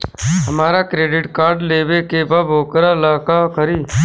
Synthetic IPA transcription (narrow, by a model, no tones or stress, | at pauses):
ɦəmaːɾakɾeːɖɪʈkaːɾɖleːʋekebəbʱoːkəɾalaːkakəɾiː